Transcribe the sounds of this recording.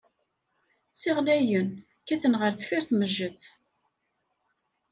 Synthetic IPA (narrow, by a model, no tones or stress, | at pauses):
sɪʁlæjən | kæθənʁəɾθfiɾθməʒːəθ